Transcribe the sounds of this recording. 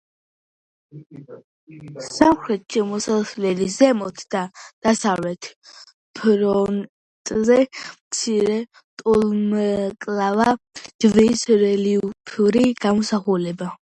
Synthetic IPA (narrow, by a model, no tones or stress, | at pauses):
samχɾɛt̪̚ʼt͡ʃimɔsaslɛlizɛmɔt̪ʰd̪̥ad̪̥asavlɛt̪ʰ | pʰɾɔn | t̪ʼzɛmt̪sʰiɾɛ | t̪ʼulmkʼlavad̪̥visɾɛliupʰuɾiɡ̥amɔsaχulɛba